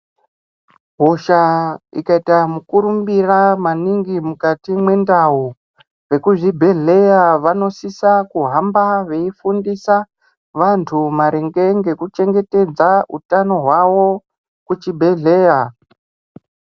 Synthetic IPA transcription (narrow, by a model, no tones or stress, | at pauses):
ɦoʃaḭkaitamukuɾumbiramaniŋɡimukatimwe̞ndau | re̞kuʐibʱe̞ɮe̞jaʋano̞sisakuɦambaʋe̞ifundisa | ʋantʰumaɾeŋɡe̞ŋɡe̞kut͡ʃe̞ŋɡe̞te̞d͡zautano̞ɦwawo̞ | kut͡ʃibʱe̞ɮe̞ja